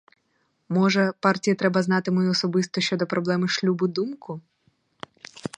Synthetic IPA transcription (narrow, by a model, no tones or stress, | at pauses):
mɔʒɛpɑrtʲijɐt̪ɾɛbɐznɑt̪ɪmɔjiɔsɔbɪst̪ɔʃʲt͡ʃɔd̪ɔpɾɔblˠɛmɪʃlʲubʊd̪umkʊ